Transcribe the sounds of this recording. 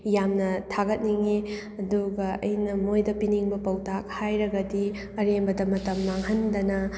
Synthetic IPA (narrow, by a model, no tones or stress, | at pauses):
jamnɐtʰaɡɐt̚niŋe | ɐduɡɐɐ̰jnɐmojdɐpiniŋbɐpɐwtak̚hajɾɐɡɐdi | ɐɾembɐdɐmɐtɐmːaŋhɐndɐnɐ